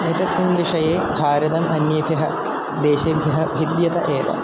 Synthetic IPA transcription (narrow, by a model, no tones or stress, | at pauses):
et̪ɐsminʋiʂɐjeːbʱaːɾɐd̪ɐmɐnjɐbʱɐɦɐ̰ | d̪eːʃɐbʱjɐɦɐbʱid̪jɐt̪ɐʔeːʋɐ̰